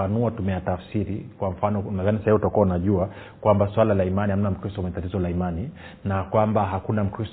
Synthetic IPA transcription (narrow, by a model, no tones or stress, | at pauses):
anuatumɛjatafsiɾikwam̩fanɔavanisahiviutakuaunaʄua | kwambaswalalaimaniham̩nam̩kɾistɔumɛtatizɔlaimani | nakwambaɦakunam̩kɾis